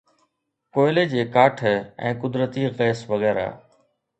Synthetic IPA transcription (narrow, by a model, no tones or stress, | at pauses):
koːɪleːd͡ʑeːkaːʈʰɛ̰̃ːkʊd̪ɾət̪iːɣɛːsʋɐɣɛːɾa̰ː